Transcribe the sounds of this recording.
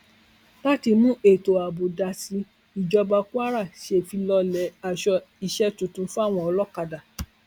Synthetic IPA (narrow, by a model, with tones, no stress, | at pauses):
la˦ti˧nũ˦ʔe˦˨to˨a˨bo˨da˨si˧˦ | i˨d͡ʒɔ˧ba˧ku˦a˦ɾa˦˨ʃi˧˦e˦˨fi˧lɔ˧lɛ˨˦a˨ʃɔ˧ | i˧ʃɛ˦tũ˨˧tũ˧˦fu˦a˦˨w̃ɔ̃˧ɔ˧˦lɔ˦ka˧da˨